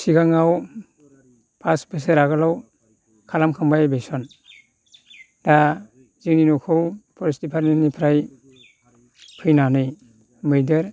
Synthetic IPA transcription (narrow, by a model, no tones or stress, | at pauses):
siɡaŋaw | pʰasbʰɯs̬eɾaɡɯlaw | kʰalamkʰɯmbajbejsɔn | da | ziŋninɔkʰɯwpʰɔɾstipʰaɾninipʰɾaj | pʰɯjnanɯj | mɯjdɯɾ